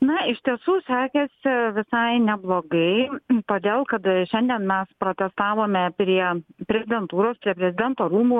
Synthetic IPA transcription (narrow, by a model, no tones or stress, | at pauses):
nɐɪʃt̪ʲiɛsuːsʲæːkʲɛsʲɪʋʲɪsɐɪnʲɛblˠoːɡɐɪt̪oːd̪ʲeːlˠkɐt̪ʃʲɛnʲd̪ʲiɛnmʲɛspɾoːt̪ʲɛst̪ɑːʋoːmʲɛpʲɾʲiɛpʲɾʲɛzʲɪd̪ʲɛnt̪uːɾoːspʲɾʲiɛpʲɾʲɛzʲɪd̪ʲɛnt̪oːɾuːmuː